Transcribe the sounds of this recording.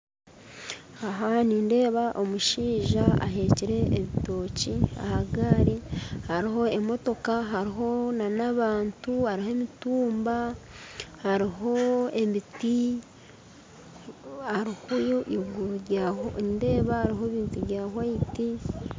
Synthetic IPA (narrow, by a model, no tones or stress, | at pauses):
aɦaninde̞ːβaʔomuʃiːʒaa̰ɦe̞ːciɾe̞eβito̞ːcia̰haɡaɾihaɾiɦo̞emo̞to̞kaɦaɾiɦo̞nanaβaːntuhaɾihe̞mituːmba | haɾiɦo̞e̞miti | aɾihujoʔiɡuɟaoinde̞ːβahaɾiɦo̞βiːntuβjaːɦwaiti